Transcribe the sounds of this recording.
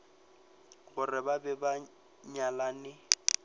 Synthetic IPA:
ɣʊrɪbabɛba | ɲalanɪ

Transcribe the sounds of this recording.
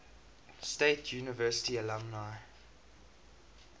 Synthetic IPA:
steɪtʰjuːnəvɜːˑsɪ̥tiəlãmnaɪ

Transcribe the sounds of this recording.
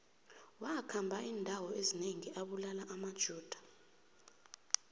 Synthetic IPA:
wakʰambʱaiːndʱawɔezineŋiʔaɓulalaʔamad̥ʒ̥ʱuːd̥ʱḁ

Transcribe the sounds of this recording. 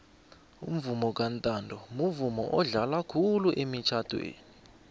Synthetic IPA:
ṵm̩vumɔk̬ʼantʼandʱɔmuvumɔ̰ʔɔɮalakʰuluʔemit͡ʃʰad̥ʰʱwḛːni

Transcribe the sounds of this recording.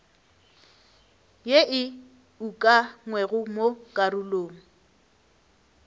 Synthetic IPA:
jeʔɪ | ukʼaŋwɛɣʊmokʼaruloːŋ̩

